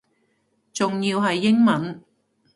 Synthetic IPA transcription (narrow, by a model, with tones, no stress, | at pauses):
t͡sʊ˨ŋjiː˧wɦɐ˨jːɪ˥ŋmɐ˨˥n